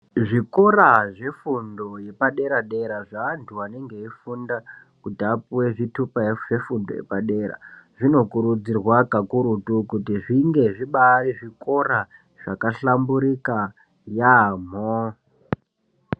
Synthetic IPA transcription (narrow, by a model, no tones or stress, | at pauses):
ʐikoraʐe̞fundoje̞paɗe̞ɾaɗe̞ɾaʐaːntʰuwane̞ŋɡe̞ifunda | kutiapuweʐitupajeʐe̞fundo̰jḛpaɗeɾa̰ʐino̞kuɾud͡zirwakakuɾutukutiʐiŋɡe̞ʐiɓaɾiʐiko̞ra | ʐ̥akaɬambuɾika | jaːm̤o